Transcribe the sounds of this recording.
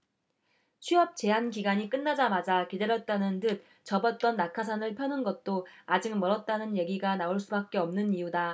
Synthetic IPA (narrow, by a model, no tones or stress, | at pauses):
t͡ɕʰɥiʌp̚t͡ɕe̞ɦankiɡaɲik͈ɯnːad͡ʑamad͡ʑakide̞ɾjʌt̚t͈anɯntɯt̚ | t͡ɕʌbʌt̚t͈ʌnːakʰas̬ʰanɯɭpʰjʌnɯnɡʌt̚t͈oad͡ʑɯk̚mʌɾʌt̚t͈anɯnje̞ɡiɡanaoɭs͈ubak̚k͈e̞ʌmnɯnijuda